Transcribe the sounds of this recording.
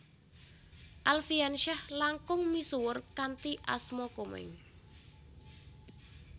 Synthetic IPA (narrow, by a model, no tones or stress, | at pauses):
ʔalfianʃahlaŋkʊŋmisuwərkant̪iʔa̰smɔkomɛ̰ŋ